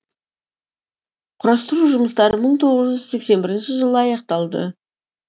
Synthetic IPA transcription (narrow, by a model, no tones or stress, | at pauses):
qʰʊɾɑst̪əɾuʒʊməst̪ɑɾəməɴt̪ʰo̞ʁəzʒʏzse̞kse̞nbɪɾɪnʃɪʒəlˠəɑjɑqt̪ɑlˠd̪ə̰